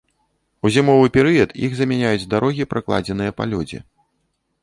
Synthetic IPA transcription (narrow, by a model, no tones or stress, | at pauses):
uzʲimɔvɨpʲɛɾɨjɐt̪jḭɣzɐmʲɛnʲajud͡zʲd̪aɾʔɔɣʲipɾaklˠa̰d͡zʲɛnɨjɐpa̰lʲɔd͡zʲḭ